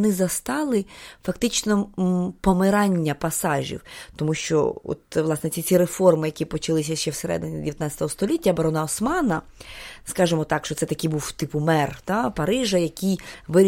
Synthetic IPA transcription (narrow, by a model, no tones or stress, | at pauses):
nɪzɐst̪ɑlˠɪfɐkt̪ɪt͡ʃnɔpɔmɪɾɑnʲːɐpɐsɑʒʲḭwt̪ɔmuʃt͡ʃɔ̰ɔ̰t̪ʋlˠɑsnɛt͡sʲit͡sʲiɾefɔrmɪjɐkʲipɔt͡ʃɐlˠɪsʲɐʃt͡ʃɛwseɾɛ̰d̪ɪnʲidʲɪʋʲjɐt̪nɑt͡sʲɐt̪ɔɦɔst̪ɔlʲitʲːɐbɐɾɔnɐɔsmɑnɐ | skɑʒɪmɔt̪ɑkʃt͡ʃɔtsɛt̪ɐkibuwt̪ɪpʊmɛrt̪apɐɾɪʒɐjɐkʲijʋɪɾʲ